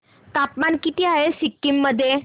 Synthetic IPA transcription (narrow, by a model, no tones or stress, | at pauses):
t̪apmankit̪iːaɦesikːimːəd̪ʱːje